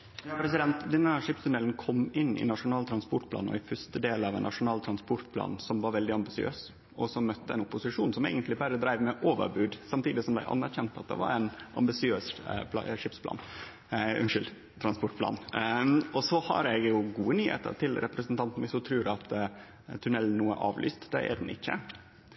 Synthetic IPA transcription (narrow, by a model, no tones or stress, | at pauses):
jɑpʰɾɛsɪd̪ɛnt̪d̪ɛnːəæʂɪpst̪ʉnɛlnkʰɔmːɪnːɪ̰nɑʂʊnɑːlt̪ʰɾɑnspɔʈpʰlɑ̰ːnɔ̰æɪfœʂt̪əd̪eːlɑʋɛnːʔɑ̰ʂʊnɑːlt̪ʰɾɑnspɔɾʈ̪pʰlɑ̰ːnsɔmʋɑɾʋɛld̪ɪɑmbɪsɪø̰ːs | ʔɔsɔmːœt̪ːəɛ̰nʊpʊsɪʂuːnsɔmḛːɡənt̪lɪbæɾəd̪ɾæɪʋmɛʔoːʋə̰ɾbʉːd̪sɑmt̪ʰiːd̪ɪsɔmb̪æ̰ɪʔɑ̰nːæɾçɛnt̪ɑt̪̚d̪ɛ̰ʋɑ̰ɾæɪnʔɑ̰mbɪsɪøːsʂɪpspʰlɑ̰ːn | ʉnʂʏld̪ | t̪ʰɾɑnspɔʈ̚pʰlɑ̰ːn | ɔsɔhɑ̰ɾɛɡjʊɡuːənyːhḛːt̪ə̰ɾʈʰɪlɾɛpɾəsənt̪ʰɑnt̪n̩mɪsɔt̪ʰɾʉːɾɑt̪ | t̪ʰʉnɛln̩nːuːə̰ʔɑːʋly̰ːst̪d̪ɛ̰æ̰d̪n̩ɪ̰çːə̰